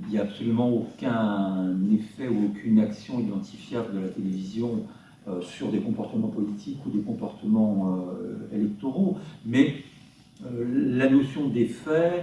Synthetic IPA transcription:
iljaːpsɔlymɑ̃okʲɛ̃nefɛuokʰʲynaksjɔ̃id̪ɑ̃t̪ʰifjɛʁd̪əlat̪elevizjɔ̃ | øsyʁd̪ekɔ̃pɔʁt̪əmɑ̃pɔlit̪ʰikud̪ekɔ̃pɔʁt̪əmɑ̃øelɛk̚t̪oʁomɛ | ølanosjɔ̃d̪efɛ

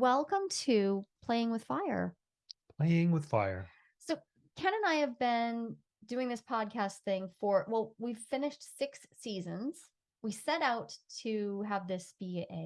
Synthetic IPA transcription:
wɛlˠkə̃mtʰʉpʰl̥eɪɪ̃ŋwɨð̥faɪə̰˞ | pʰl̥eɪɪ̃ŋwɨð̥fa̰ɪə̰˞ | soʊ | kʰæ̃ñɨ̃naɪɨvbɪ̃n | dʉɪ̃ŋðɪspʰɑd̚kʰæst̚θɪ̃ŋfə˞ʔwɛlˠwiv̥fɪ̃nɨʃtsɪksizɨ̃nz̥ | wisɛɾaʊtʰɨəvðɪsb̥iʔeɪ

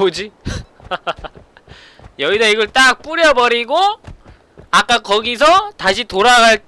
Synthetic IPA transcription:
od͡ʑi | jʌɡidʰʌiɡʌɭt͈ak̚p͈uɾjʌbʌɾiɡo | ak͈akʌɡis̬ʰʌtaɕʰitoɾaɡaɭt

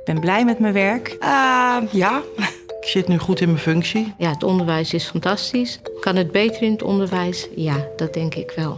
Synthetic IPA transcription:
ɪɡ̚bɛnblɛjmɛtmənʋɛɹkəjaː | ɪksɪtnyχutɪnməfɵŋksijaətɔndəɹʋɛjsɪsfɑntɑstiskɑnɦəd̚bejtərɪnətɔ̰ndəɹʋɛjsjad̥ɑd̚dɛŋkɪkʋɛlˠ

